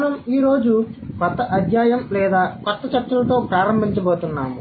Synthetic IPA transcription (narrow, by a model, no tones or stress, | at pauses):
nɐmiːɾo̞ːd͡ʒukɔt̪ːɐʔɐd̪jaːjɐmlɛːd̪aːkɔt̪ːɐt͡ʃɐʈt͡ʃːɐlɐt̪o̞ːpɾaːɾɐmbʱiɲt͡ʃɐboːt̪unːa̰ːmu